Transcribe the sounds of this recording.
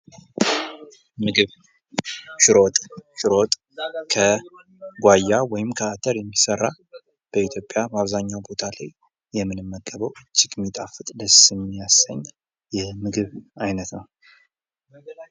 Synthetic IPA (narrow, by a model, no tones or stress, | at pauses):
mɨɡɨβ | ʃɪɾo̞t̪ʼʃɪɾo̞t̪ʼ | kʰə | ɡʷajːawɔjɪmkʰəat̪ʰəɾjɛmːisərːa | b̥əit̪ʰjo̞pʼjabəaβzaɲːawbo̞t̪ʰala̰jː | ɛmːɨnɨmːəkʼːəβəwɨt͡ʃʼːɪkmit̪ʼafɨt̪ʼləsɨmːijasəɲː | jɛmɨɡɨβajnət̪nəw